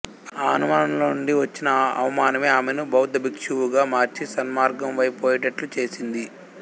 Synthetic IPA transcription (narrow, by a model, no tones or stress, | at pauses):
aːɐnumaːnɐmloːɳɖiʋɐt͡ʃːinɐɐ̰ʋɐmaːnɐme̞ːaːmenubɐwd̪ɐbikʂuʋuɡaːmaːɾt͡ʃisɐnmaːɾɡɐmʋɐjpoːjiʈɐʈlut͡ʃe̞ːsind̪i